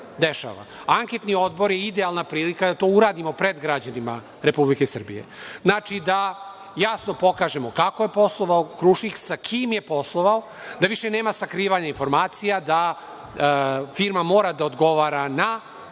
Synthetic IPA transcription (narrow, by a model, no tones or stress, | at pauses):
d̪eʃa̰ːʋa̰aŋke̞t̪nio̞d̪bo̞ɾjeid̪ealˠnapɾiːlikad̪at̪oːuɾaːd̪imo̞pɾe̞d̪ɡɾad͡ʑanima | ɾepublikesr̩bḭje̞̰znaːt͡ʃid̪a | jasno̞po̞kaːʒe̞mokakojepo̞slˠoʋaokɾuʃiksakʰimjepo̞slˠoʋao | d̪aʋiʃene̞ːmasakɾiːʋaɲainfo̞ɾmaːt̪sijad̪a | fiɾmamo̞ːɾad̪aod̪ɡo̞ʋaːɾana